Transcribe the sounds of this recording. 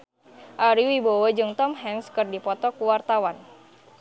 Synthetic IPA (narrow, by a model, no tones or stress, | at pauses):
ʔaɾiwibowəd͡ʒɨŋt̪ɔmɦɛŋskɨrdipɔt̪ɔkuwart̪awan